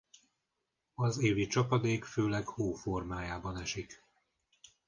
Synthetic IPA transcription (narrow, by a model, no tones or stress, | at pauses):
ɒzeːvit͡ʃɒpɒd̪eːkføːlɛkhoːfo̞rmaːjaːbɒnɛʃik